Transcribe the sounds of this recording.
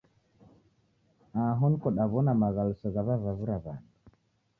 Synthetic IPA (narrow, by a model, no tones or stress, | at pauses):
aɦɔnkɔɗaβɔnamaɣalusɔɣaβaβaβuɾaβandu